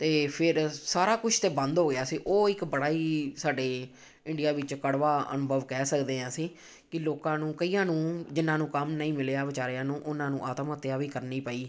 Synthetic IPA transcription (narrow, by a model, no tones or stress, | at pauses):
t̪eːpʰɪɾsaːɾaːkʊt͡ʃʰt̪eːbə̃nd̪ɦoːɡɪaːsiːʔoːɪkbəɽaːiːsaːɖeː | ɪɳɖɪjaːʋɪt͡ʃkəɽʋaːə̰nʊbʱəʋkɛːsəkd̪eːɦãːsiː | kɪloːkãːnũːkəiːãːnũːd͡ʒɪnãːnũːkəmnəĩːmɪleaːʋɪt͡ʃaːɾɪjãːnũːʔʊnãːnũːʔaːt̪mət̪ːɪjaːʋiːkəɾniːpəːiː